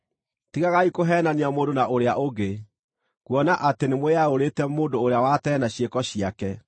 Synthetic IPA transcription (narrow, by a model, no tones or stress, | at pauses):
tiɣaɣaikoɦɛːnaneamoːndonaʔoɾeaʔoɡe | kwɔnaʔatenemoeaoɾetɛmoːndoːɾeawatɛːnaɕiekɔɕiakɛ